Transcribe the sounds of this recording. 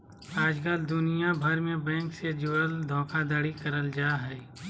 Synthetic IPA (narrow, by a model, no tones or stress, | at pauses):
aːd͡ʒkəld̪ʊnijabʱɐɾmẽbɛ̃ːŋksed͡ʒoɽəld̪ʱɔ̃ːkʰad̪aːɽikɐɾəld͡ʒaːɦɛː